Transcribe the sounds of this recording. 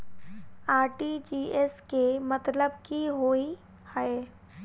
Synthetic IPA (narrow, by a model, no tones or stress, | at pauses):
aːɾʈid͡ʒiːeskemɐt̪ləb̚kiɦoːi | hɛe